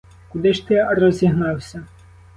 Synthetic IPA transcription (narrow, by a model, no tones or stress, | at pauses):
kʊd̪ɪʃt̪ɪrɔzʲiɦnɑwsʲɐ